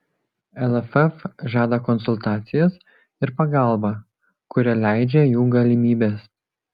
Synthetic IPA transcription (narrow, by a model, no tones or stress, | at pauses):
ɛlˠɛfɛfʒɑːd̪ɐkɔnsʊlˠt̪ɑːt̪sʲɪjɛs | ɪɾpɐɡɑˑlˠbɐ | kʊɾʲɛlʲæˑɪd͡ʒʲɛjuːɡɐlʲɪmʲiːbʲeːs